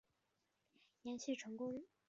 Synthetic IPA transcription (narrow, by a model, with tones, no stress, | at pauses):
jɛ˧˥nɕi˥˩ʈ͡ʂʰɤ˧˥ŋkʊ˥ŋ